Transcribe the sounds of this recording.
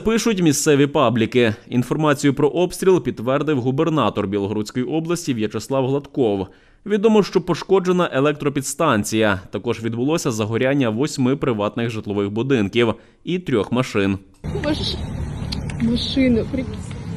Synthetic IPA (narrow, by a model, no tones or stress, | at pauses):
pɪʃʊtʲmʲist̪sɛʋʲipɑblʲikɪin̪fɔrmɑt͡sʲijʊpɾɔʔɔpsʲt̪ʲɾʲilˠpʲid̪ːʋɛrd̪ɪwɦubernɑt̪ɔrbʲilˠɔɦɾut͡sʲkɔjiʔɔblˠɐsʲtʲiʋjɐt͡ʃeslˠɑwɦlˠɐt̪kɔw | ʋʲid̪ɔmɔʃt͡ʃɔpɔʃkɔd͡ʒe̞nɐʔelˠɛk̚t̪ɾɔpʲid̪st̪ɑnʲt͡sʲijɐt̪ɐkɔʒʋʲid̪bʊlˠɔsʲɐzɐɦɔɾʲanʲːɐʋɔsʲmɪpɾɪʋɑt̪nɪɣʒɪt̪lˠɔʋɪxbʊd̪ɪnkʲiw | it̪ɾʲɔxmɐʃɪn | mɐ | mɐʃɪnɐpɾʲi